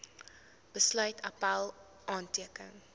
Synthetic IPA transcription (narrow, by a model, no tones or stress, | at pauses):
b̥əslœɥtʰapalˠ | ʔɑːntiəkə̰ŋ